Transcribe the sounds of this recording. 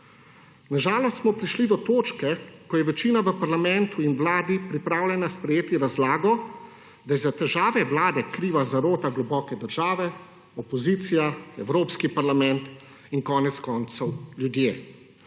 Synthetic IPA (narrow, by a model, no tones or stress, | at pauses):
naʒaːlɔst̪smɔpɾiʃlid̪ɔt̪oːt͡ʃkɛkɔjɛʋɛt͡ʃiːnaʋəpaɾlamɛnt̪uinʋlaːd̪ipɾipɾaːwlʲɛnaspɾɛjeːt̪iɾazlaːɡɔ | d̪ajɛzat̪ɛʒaːʋɛʋlaːd̪ɛkɾiːʋazaɾoːt̪aɡlɔbɔːkɛd̪əɾʒaːʋɛ | ɔpɔziːt̪sijaɛwɾoːpskipaɾlamɛnt̪ | inkɔːnɛt̪skɔnt̪sɔwljud̪jeː